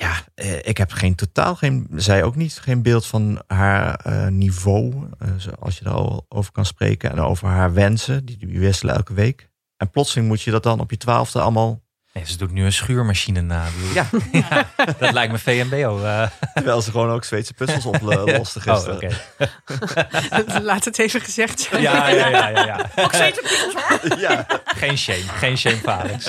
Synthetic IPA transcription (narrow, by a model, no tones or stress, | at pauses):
jaʔəʔɪkɦɛpχejntota̰ːlˠχenzɛjowknitχejnbɪːlˠtfɑnɦaːɹə̰nivowəzoɑ̰lˠsjəda̰ːɹ̰o̰wvəɹkɑnsprḛjkənɛ̰no̰wvəɹɦaːɹʋɛnsədidyʋɪstələ̰ɛ̰lˠkəʋejk | ʔɛnplɔtsəlɪŋmutjədɑt̚dɑnɔ̰pjətʋa̰ːlˠvdəɑ̰lˠmaːlˠ | nejzədutnyənsχyːɹmaʃinənaːbədulajadɔlɛjk̚məfejɛmbejowəɹʋɛjlˠzəχəʋownowksʋejtsə̥pøəlˠsɔplɔstəχso̰ke | laːtətejvəχəzɛχtsɛjaajajjaoketsəpøajaχejnʃejmχejnʃejmfaːləs